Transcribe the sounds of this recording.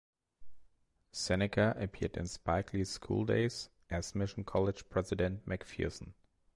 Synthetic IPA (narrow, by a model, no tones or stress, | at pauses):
sɛnɨkʰaʔəpʰiɹdɨ̰̃nspaɪkʰliskʰṵlˠdḛɪz | ʔæsmɪʃn̩kʰɔlɪd̥ʒ̥pʰɹ̥ɛzɨdɨ̃nt̚mækfḭsn̩